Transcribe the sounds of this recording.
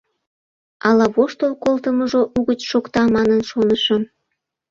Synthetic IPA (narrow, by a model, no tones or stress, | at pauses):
ɑlɑβoʃt̪olkolt̪əməʒoʔuɣət͡ɕʃokt̪ɑmɑnənʃonəʃə̆m